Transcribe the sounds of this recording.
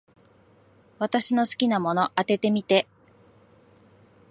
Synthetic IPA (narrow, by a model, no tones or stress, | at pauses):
βat̪aɕino̞sɨ̥kʲinamo̞no̞ʔat̪e̞t̪e̞mʲit̪e̞